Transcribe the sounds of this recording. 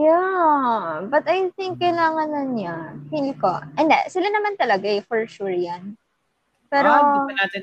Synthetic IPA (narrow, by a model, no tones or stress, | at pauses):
ja | bɐt̪ɐjθɪŋk̚ːɐjlaːŋɐnːɐnɲapilkoʔɛnd̪ɛ̰sɪlanɐmant̪ɐlɐɡaɛfɛɹʃuɹjan | pɛːɾoɐnaːt̪ɪn